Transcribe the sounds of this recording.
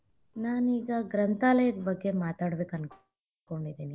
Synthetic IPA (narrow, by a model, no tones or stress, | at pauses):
naːniːɡɐɡɾɐnt̪aːlɐjɐd̪bɐɡːe̞maːt̪aːɽbeːkɐnk | koɳɖid̪ːeːni